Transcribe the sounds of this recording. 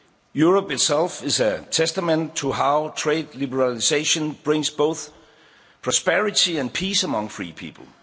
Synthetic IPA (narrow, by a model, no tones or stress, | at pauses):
juɹɔpɨtsɛlˠfɪzɨtʰɛstəmɛ̃ntʰəɦaʊtʰɹ̥eɪdlibəɹaliseɪʃə̃nb̥ɹɪ̃ŋsb̥oʊθ | pʰɹ̥ɔspɛɹɪtiæ̃npʰiːsəmʌ̃ŋfɹḭːpʰḭːpʰl̩ˠ